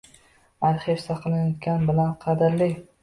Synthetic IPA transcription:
aɾχefsaqʰɨlˠɪnjot̪kʲanbɪlanqʰɑd̪ɪɾlɪ

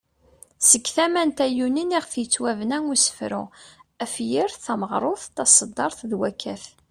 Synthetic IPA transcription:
səkːθæmænt̪æjuniniʁθjət͡sːwævnæŋusə̥fɾʊ̰æfjiɾθæməʁɾˤoθt̪ːɑsˤəd̪ːɑɾˤθðwækːæθ

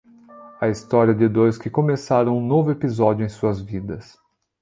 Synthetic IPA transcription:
ɐist̪ɔɾiɐd̪ɪd̪ojskɪkomesaɾɐ̃w̃ũnovʊepizɔd͡ʒʊẽj̃suɐzvid̪ɐs

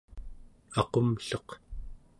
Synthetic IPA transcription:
ɑqomɬʌq

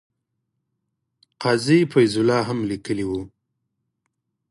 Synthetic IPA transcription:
qɑzifajzʊlɑɦamlikəliwu

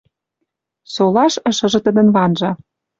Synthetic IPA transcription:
solɑʃə̆ʃɤ̆ʒɤ̆t̪ə̆d̪ə̆nβɑnʒɑ̆

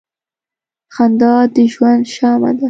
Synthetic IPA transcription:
xand̪ɑd̪əʒwand̪ʃɑma̰d̪a

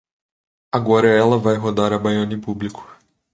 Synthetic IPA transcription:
aɡɔɾɐɛlɐvajɦod̪aɾɐbajõnĩpublikʊ̥

